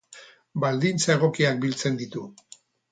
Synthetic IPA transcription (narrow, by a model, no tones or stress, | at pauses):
bald̪int͡sae̞ɣ̞o̞kiak̚bilt͡se̞nd̪it̪u